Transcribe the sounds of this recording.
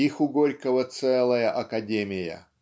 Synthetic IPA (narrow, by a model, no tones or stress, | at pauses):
ixʊɡo̞lʲkəvət̪sɛlˠəjəʔɐkɐdʲemʲɪjə̰